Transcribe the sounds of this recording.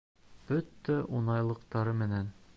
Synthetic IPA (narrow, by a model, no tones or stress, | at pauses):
b̥ɵt̪ːæʔunɑjlˠɤ̆qt̪ɑɾɤmɘ̆næn